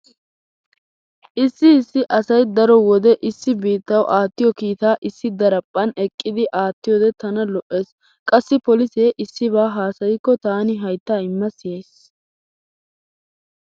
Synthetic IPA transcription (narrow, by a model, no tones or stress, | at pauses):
ʔɪsːɪːsːɪʔɐsɐjd̪ɐɾɔwɔd̪ɛʔɪsːɪbiːt̪ːɐwʔaːt̪ːɪjɔkiːt̪aːʔɪsːɪd̪ɐɾɐpʼːɐnɛkʼːɪd̪ɪʔaːt̪ːɪjɔːd̪ɛt̪ɐnɐlɔʔːe̞ːs | kʼɐsːɪpɔlɪseːʔɪsːɪβaːɦaːsɐjɪkːɔt̪aːnɪɦɐjt̪ːaːɪmːɐsɪjeːs